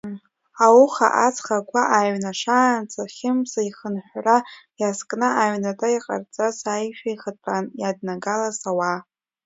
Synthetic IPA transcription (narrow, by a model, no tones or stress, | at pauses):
awuχa̰ʔat͡sʰχakʷaʔaɥnaʂaːnt͡sʰʼaχʲɪmsaiχənħʷrajaskʼnaaʕnatʼaiqʼa̰rt͡sʼasajʃᶣaiχətʼanjadnaɡalasawa